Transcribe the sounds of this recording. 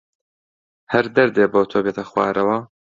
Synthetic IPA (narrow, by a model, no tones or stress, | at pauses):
hɐɾd̪ɐɾd̪eːbot̪ʰobeːt̪ʰɐxwa̰ːɾɐwɐ